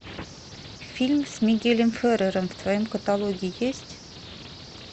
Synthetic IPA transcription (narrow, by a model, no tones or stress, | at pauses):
fʲilʲmsmʲiɡʲelʲɘ̆mfʲøɾəɾə̆mft̪vojɤmkət̪ɑlˠoɡʲiəjesʲt̪ʲ